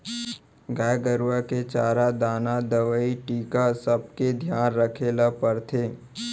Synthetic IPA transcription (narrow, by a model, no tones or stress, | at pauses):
ɡaːjɡəɾʋaket͡ʃaːɾad̪aːnad̪əʋəiʈiːkasəb̚ked̪ʱjaːnɾəkʰeːlapəɾt̪ʰeː